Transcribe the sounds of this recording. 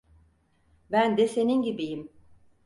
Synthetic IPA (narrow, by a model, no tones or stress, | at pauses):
bænd̪ɛse̞ninɟibijim